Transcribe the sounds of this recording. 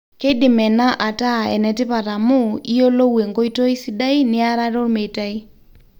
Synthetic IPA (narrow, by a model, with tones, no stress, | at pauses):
ke˦dɪ˨mɛ˨na˦ʔa˨ta˦˨ɛ̰˨nɛ˨tɪ˦pa˨ta˨mʊ˦i˦jo˦lo˦we˨ŋko˦i˦to˦i˦si˦da˦i˦nɪ˦a˦ɾa˦ɾo˦ɾme˨ta˦i˦